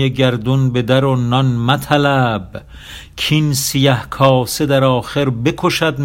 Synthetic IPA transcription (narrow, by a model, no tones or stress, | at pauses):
eɟæɾd̪unbed̪æɾonːɒnmæt̪ʰælæb | kʰinsijæhkʰɒːsed̪æɾɒːxeɾbekʰoʃæd̪m